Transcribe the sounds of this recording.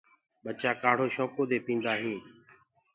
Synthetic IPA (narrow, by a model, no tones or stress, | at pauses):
ɓət͡ʃaːkaːɽ̤oːʃɔ̃ːkoːd̪eːpĩːnd̪aːɦĩː